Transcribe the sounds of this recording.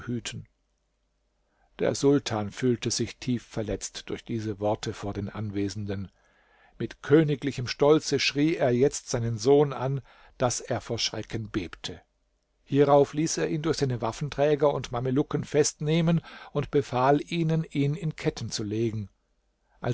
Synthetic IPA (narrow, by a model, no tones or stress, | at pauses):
hyːtʰn̩ | d̥ḛːɐzʊltʰaːnfyːltəzɪçtʰiːfːɛɐlɛt͡std̥ʊɐçd̥iːzəvɔɐtʰəfoːɐdeːnʔanveːzn̩dən | mɪtkʰøːnɪklɪçəmʃtɔlt͡səʃʁ̥iːeːɐjɛt͡stz̥aɪnənzoːnʔan | d̥aseːɐfoːɐʃʁ̥ɛkʰənbeːptʰə | hiːʁaʊfliːseːɐʔiːndʊɐçz̥aɪnəvafn̩tʁ̥ɛːɡɐʊntmaməlʊkənfɛstneːmənʊntb̥əfaːlʔiːnənʔiːnɪnkʰɛtn̩t͡suleːɡŋ̩ | ʔa̰